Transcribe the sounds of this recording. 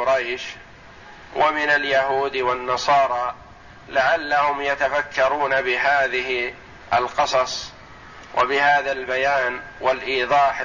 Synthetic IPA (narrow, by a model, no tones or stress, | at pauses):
ʊɾajʃ | wʔamɪnaljaɦuːd̪wanːɑsˤɑːɾˤɑː | lɪʕalːahʊmjat̪afakːɑɾˤuːnabɪɦaːðɪhɪ | ʔa̰lqɨsˤɑsˤ | wʔa̰bɪhaːðalbajaːnwalʔiːðˤɑːħ